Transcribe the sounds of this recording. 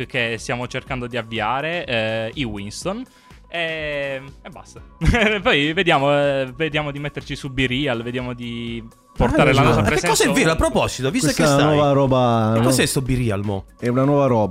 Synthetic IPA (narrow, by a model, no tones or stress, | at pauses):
kest̪jaːmot͡ʃerkand̪od̪iavːiaːɾeiwinst̪on | e | eba̰st̪apɔjved̪jaːmoved̪jaːmod̪imet̪ːert͡ʃisubiɾialved̪jaːmod̪i | port̪aɾelanɔssapɾkeɛkːɔsɛviapːɾopɔsit̪ovisteekːesanwɔvaɾɔːbaekːɔɛsobiɾia̰lmɔ̰ɛunanwɔːvaɾɔːb